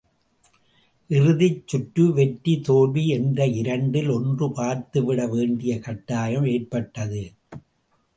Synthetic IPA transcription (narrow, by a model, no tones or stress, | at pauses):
ʔɪrɯðɪt͡ʃːʊʈːɯʋɛʈːit̪oːʋiɛndrɐɪɾɐɳɖɪlɔndrɯpaːɾt̪ɯʋɪɽɐʋeːɳɖɪjɐkɐʈːaːjɐmeːrpɐʈːɐðɯ